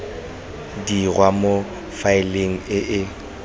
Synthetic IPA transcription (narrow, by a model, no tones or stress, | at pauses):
diɣwʔamo | faɪleŋ̩ɪʔɪ